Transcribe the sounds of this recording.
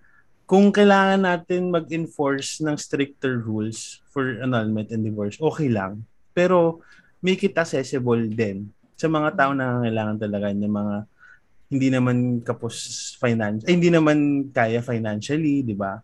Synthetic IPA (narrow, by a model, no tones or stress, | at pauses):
kʊŋkɐjlaːŋɐnːaːt̪ɪnmɐɡ̚ɪnfoɹsnɐŋst̪ɾɪk̚t̪ɛɹɹulsfɔɹɐnolmɛ̃nt̪ɛnd̪ɪvoɹsʔo̞ːkɛjlɐ̰ŋ | pɛːɾo̞ | mɛjkɪt̪̚ɐk̚sɛsɪbold̪ɛn | sɐmɐŋat̪aːʔoŋnɐŋaŋɐjlaːŋɐnt̪ɐlɐɡanɐŋmɐŋa | hɪnd̪iːnɐmankɐposfajnanhɪnd̪iːnɐmankaːjɐfɐjnanʃɐlid̪ɪba